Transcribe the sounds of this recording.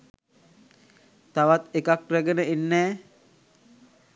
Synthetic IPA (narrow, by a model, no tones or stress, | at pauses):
t̪aʋat̪ekak̚ræɡenəenːɛː